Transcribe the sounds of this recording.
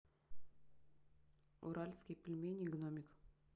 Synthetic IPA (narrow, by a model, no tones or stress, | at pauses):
ṵɾalʲskʲijpʲilʲmʲenʲiɡnomʲik